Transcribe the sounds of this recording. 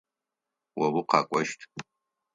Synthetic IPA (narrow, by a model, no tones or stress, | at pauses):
wɐwuqɑ̰ːkʷʼɔʃtʰ